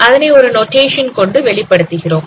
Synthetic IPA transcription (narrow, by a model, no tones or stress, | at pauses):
ɐðɐnɐɪɔɾɯnoːʈeːʂɐnkɔɳɖɯʋɛɭɪpːɐɽɯt̪ːɯɣɪroːm